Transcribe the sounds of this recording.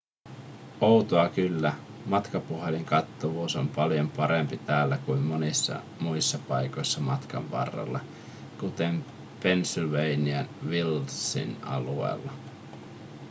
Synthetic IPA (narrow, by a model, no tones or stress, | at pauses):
owt̪oɑkylːæ | mɑt̪kɑpuɦe̞liŋkɑt̪ːoʋuːso̞mpɑljo̞mpɑɾe̞mpit̪æːlːækuimːo̞nisːɑ̰ | muisːɑpɑjko̞jsːɑmɑt̪kɑ̰ʋʋɑ̰rːɑ̰lːɑ̰ | kut̪e̞m | pe̞nsilʋejniɑnʋilsḭnɑ̰lue̞̰ːlːɑ